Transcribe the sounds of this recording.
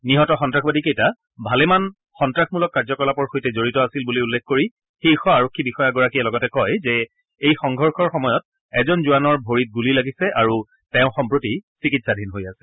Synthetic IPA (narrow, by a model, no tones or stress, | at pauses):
niɦɔtɔxɔntɹaxbadikejta | bʱalɛman | xɔntɹaxmulɔkːaɹzɔkɔlapɔɹxojtɛzoɹitɔasilbuliulːɛkʰkoɹi | xixɔaɹokʰːibixɔjaɡɔɹakiɛlɔɡɔtɛkɔjzɛ | ejxɔŋɡʱɔɹxɔɹxɔmɔjɔt̚ | ɛzɔnzuanɔɹbʱoɹit̚ɡulilaɡisɛʔaɹu | tɛʊ̃xɔmpɹotisikitsadʱinɦojasɛ̥